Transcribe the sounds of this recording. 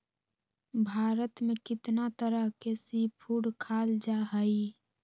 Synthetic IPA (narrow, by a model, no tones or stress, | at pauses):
bʱaːɾət̪mekɪt̪nat̪əɾəɦkesipʰuːɽkʰaːld͡ʒaɦəi